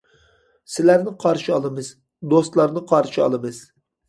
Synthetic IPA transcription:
sɪlæɾnɪqʰɑɾʃiɑlˠɨmɨz̥ | d̪ost̪lˠɑɾnɨqʰɑɾʃiɑ̰lˠɨmɨz̥

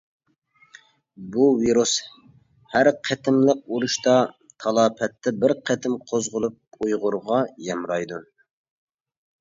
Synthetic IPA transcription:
buviɾus | hæɾqʰɛt̪ʰɪmləq̚uɾuʃt̪ɑ | t̪ʰɑlˠɑːpʰɛt̪ʰːɛbɪɾqʰɛt̪ʰɪmqʰozʁʊlˠup̚ujʁʊɾʁɑjɛmɾɑjd̪u

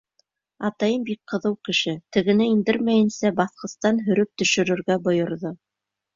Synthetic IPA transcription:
ɑt̪ɑjɤmbik̚qɤ̆ðɤwkɘ̆ʃɘt̪ɘ̆ɡɘ̆nɘind̪ɘɾmæjɘ̆nsæbɑθqɤ̆st̪ɑnɦɵ̆ɾɵp̚t̪ɵ̆ʃɵ̆ɾɵ̆ɾɡæbŏjŏɾðo

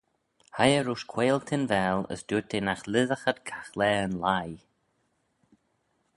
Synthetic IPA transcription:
hajəɾuːʃkʰweːlt̪ʰɪnvɛːlə̰sd̪̥uːt̪ʰenaxlɪðəxəd̪kʰaxlɛːənlaj

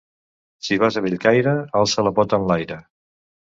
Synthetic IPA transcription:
siβazəβiʎkajɾəalˠsələpɔt̪ənlajɾə

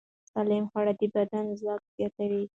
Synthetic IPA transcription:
sɑlɪmxwaɽad̪ibad̪anzwɑk̚z̥jɑt̪awi

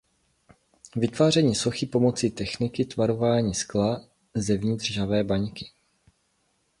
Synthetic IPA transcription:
vɪt̪vaːrɛɲiːso̞xipo̞mo̞t͡siːt̪ɛxnɪkɪt̪vaɾo̞vaːɲiːskla | zɛvɲɪt̪r̝̥ʒavɛːbaɲkɪ̥

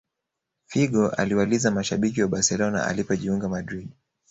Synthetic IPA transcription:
fiɡɔʔa̰liwalizamaʃaɓikiwaɓaɾsɛlɔna̰a̰lipɔʄiuŋɡamadɾiɗ

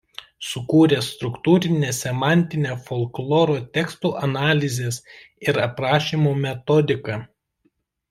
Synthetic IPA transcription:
sʊkuːɾʲest̪ɾʊkt̪uːɾʲɪnʲeːsʲɛmɑˑnʲt̪ʲɪnʲeːfɔlˠklˠɔːɾoːt̪ʲɛkst̪uːʔɐnɑːlʲɪzʲeːs | ɪɾɐpɾɑːʃʲiːmoːmʲɛt̪ɔd̪ʲɪkɑː

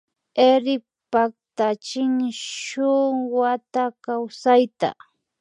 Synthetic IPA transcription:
eɾɪ | pak̚t̪at͡ʃɪŋʃʊŋwwat̪akawsajt̪a̰

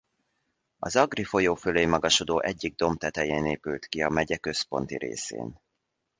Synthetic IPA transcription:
ɒzɒɡrifo̞joːføleːjmɒɡɒʃo̞d̪oːʔɛɟːiɡ̚d̪o̞mt̪ɛt̪ɛjeːneːpylt̪kiɒmɛɟɛkø̞spo̞̰nt̪ḭɾḛːsḛːn

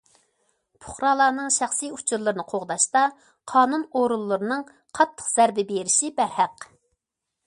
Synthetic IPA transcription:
pʰʊ̥χɾɑlˠɑːnɨŋʃæχsɨjut͡ʃʰuɾlˠɨɾɨnɨqʰoʁd̪ɑʃt̪ɑ | qʰɑːnunoɾulˠːɨɾɨnɨŋ | qʰɑt̪ʰːə̥qz̥æɾbɪbeɾɪʃibæɾhæq

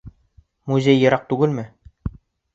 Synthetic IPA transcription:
muzʲejːɤ̆ɾɑq̚t̪ʉɡɘlmɘ

